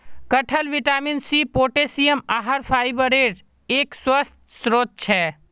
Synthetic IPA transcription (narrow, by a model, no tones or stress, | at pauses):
kəʈʰəlʋɪʈaːminsiːpoːʈeːsiːəmaːɦəɾpʰaːɪbəɾeːɖ | eːkswəst̪̚sɾoːt̪̚t͡ʃʰɛː